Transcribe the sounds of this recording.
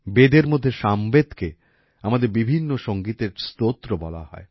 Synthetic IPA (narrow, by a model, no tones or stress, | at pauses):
bed̪eɾmod̪ʱːeʃambed̪ke | amad̪eɾbibʱinːoʃoŋɡit̪eɾst̪ot̪ːɾobɔla̰ɦɔ̰e